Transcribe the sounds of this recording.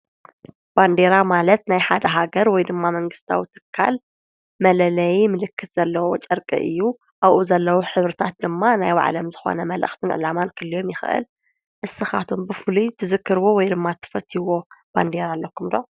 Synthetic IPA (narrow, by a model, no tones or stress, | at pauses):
b̥and̪e̞ɾamalɐt̪najħad̪ɐɦaɡɐɾwɔjd̪ɨmːamɐŋɡɨst̪ʰa̰wit̪ʰɨ̥kʰːa̰l | mɐlɐlɐjimɨlɨkʰːɨt̪z̥ɐlːɐwot͡ʃʼɐɾkʼḭʔɨ̰jːu | ʔaβʔuzɐlːɐwoħɨβɾɨt̪ʰat̪̚d̪ɨmːanajwa̰ʕ̰lɐmzɨxo̰nɐmɐlʔɨ̰xt̪ʰɨnʕɨ̰lamankʰɨlːijo̞mjɪxʔɨ̰l | ʔɨsɨxa̰t̪ʰombɨfɨlut̪ʰɨzɨkːɨɾɨwowɔjd̪ɨmːat̪ʰːɨ̥fɐt̪ʰːiwo̞b̥and̪eɾalːɐkʰːumd̪oʕ